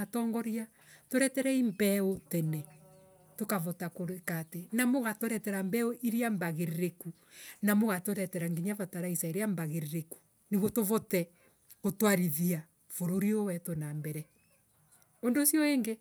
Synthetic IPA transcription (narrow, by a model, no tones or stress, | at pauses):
atɔːŋɡɔɾia | toɾɛtɛɾɛimbɛotɛnɛ | tokaβotakoɾekatenamoɣatoɾɛtɛɾambɛoʔiɾiambaɣeɾeɾeku | namoɣatoɾɛtɛɾaŋɡiɲavataɾaisaeɾeambaɣeɾeɾeku̥ | neβotoβotɛ | kotwaɾiðia | foɾoɾiowɛtonambɛɾɛ | ondosjɔeːŋɡe